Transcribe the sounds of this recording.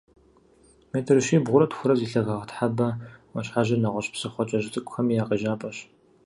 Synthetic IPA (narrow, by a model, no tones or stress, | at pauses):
meːtʰɨrɨʃiːbʁʷʊɾɐtxʷʊɾɐziːɬɐɣɐʁətħabɐwɐɕħaʒɐnɐʁʷɔɕpsɨχʷɔt͡ʃʼɐʑɪtʼɨkʷʼʊxɐmijaːqɐʒaːpʼɐɕ